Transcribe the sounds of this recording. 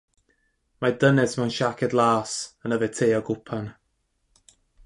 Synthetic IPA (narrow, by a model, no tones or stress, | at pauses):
madənɛsmɛwnʃakʰɛdlˠaːsənəvɛtʰeːɔɡʊpʰan